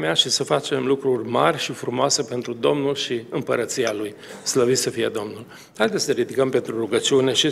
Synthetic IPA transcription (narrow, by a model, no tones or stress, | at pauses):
meaʃisəfat͡ʃe̞mlukɾurʲma̰rʲʃifɾumoase̞pe̞nt̪ɾud̪o̞mnulʃiɨmpəɾət̪sialuj | sləvit̪səfije̞d̪o̞mnul | hajd̪esəeɾid̪ikəmpe̞nt̪ɾuruɡət͡ʃiune̞ʃi